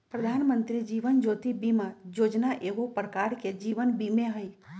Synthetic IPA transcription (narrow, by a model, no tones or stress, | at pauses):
pɾəd̪ʱaːnmə̃nt̪ɾid͡ʒiːʋənd͡ʒoːt̪ibimãjoːd͡ʒnaʔeʋopəɽkaɽked͡ʒiʋənbimẽɦəj